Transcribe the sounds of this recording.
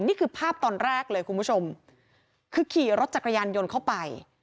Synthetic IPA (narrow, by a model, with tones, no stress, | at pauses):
niː˥˩kʰɯː˧pʰaː˥˩p̚t̪ɔː˧nɾɛː˥˩k̚lɤː˧jkʰu˧nmpu˦˥t͡ɕʰo˧m | kʰɯː˧kʰiː˨˩ɾo˦˥t̪̚t͡ɕa˨˩ka˧jaː˧njo˧nkʰa˥˩wpa˧j